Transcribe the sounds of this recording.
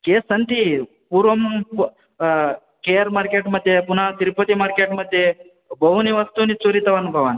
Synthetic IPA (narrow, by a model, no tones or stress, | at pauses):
keːsɐnt̪i | puɾʋɐm | kejəɾmaɾkeʈməd̪ʱːjepun̤at̪iɾpət̪imaɾkeʈmɐd̪ʱːje | bɐɦuniʋɐst̪unit͡soɾit̪ɐʋanubʱɐʋan